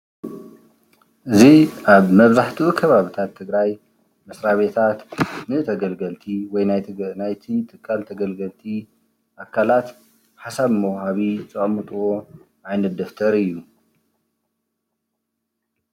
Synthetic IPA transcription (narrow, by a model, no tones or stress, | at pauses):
ʔɨziʔaβmɐβzaħt̪ʰiukʰɐβaβit̪ʰat̪ʰːɨɡɾaj | mɐsɾaβe̞t̪ʰat̪nɨt̪ʰɐɡɐlɡɐlt̪ʰiwɔjnajt̪ʰɨnajt̪ʰit̪ʰɨkʰːalt̪ʰɐɡɐlɡɐlt̪ʰi | ʔakʰːalat̪ | ħasaβmɐwhaβit͡sʼɨkʼɐmɨt̪ʼɨwo̞ | ʔajnɐt̪̚d̪ɐft̪ʰɐɾɨjːu